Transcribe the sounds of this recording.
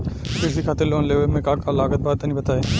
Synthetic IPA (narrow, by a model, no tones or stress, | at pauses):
ʃɪɾsikʰaːt̪eloːnleːʋəlmẽkãːkãlaːɡət̪̚baːd̪̚ɐnĩbɐt̪aːeː